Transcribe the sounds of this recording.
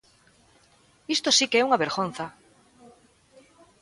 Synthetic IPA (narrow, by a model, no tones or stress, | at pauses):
ist̪osikɛuŋaβeɾɣon̟θa